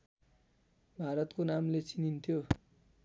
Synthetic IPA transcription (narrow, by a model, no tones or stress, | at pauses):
bʱaɾʌt̪konamlet͡sinint̪ʰjo